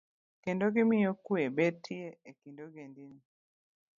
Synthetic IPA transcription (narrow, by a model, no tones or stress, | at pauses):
kendoɡɪmɪjokwebetʰːieekindoɡendini